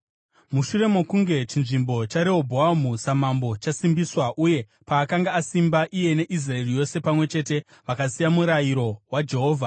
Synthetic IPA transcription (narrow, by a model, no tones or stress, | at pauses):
muʃure̞mokuŋɡe̞t͡ʃinʐimbo̞t͡ʃaɾeobʱoamusamambo̞t͡ʃasimbiswaʔuje̞ | paːkaŋɡaːsimbaʔije̞ne̞ʔis̬rae̞rijo̞se̞pamwe̞t͡ʃe̞te̞ | ʋakasijamuɾajiɾo̞wad͡ʒe̞ɦo̞ːvʱa